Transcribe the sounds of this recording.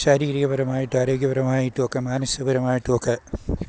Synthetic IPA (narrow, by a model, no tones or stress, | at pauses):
ʃaːɾiːɾiɣɐbɐɾɐmaːjiʈːɨaːɾoːɡjɐbɐɾɐmaːjiʈːuokːɐmaːnɐsɐbɐɾɐmaːjiʈːuokːɐ